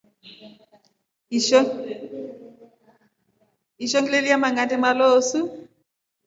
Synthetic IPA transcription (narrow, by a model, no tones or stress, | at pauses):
iʃɔŋɡilelijamaŋantɛmaloːsu